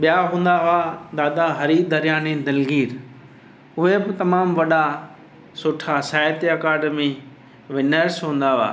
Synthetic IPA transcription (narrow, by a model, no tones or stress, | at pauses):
ɓijaɦũːn̆d̪aʋad̪aːd̪aɦɐɾid̪ɐɾijaːned̪ɐlɡiːɾ | ʊɦebɪt̪ɐmaːmʋɐɗa | sʊːʈʰasaːjt̪iɐkaːɖəmi | ʋɪnəɾsɦũːn̆d̪aʋa̰ː